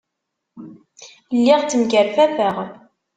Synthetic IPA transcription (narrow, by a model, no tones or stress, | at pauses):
lːɪʁt͡sːəmɡəɾfæfəʁ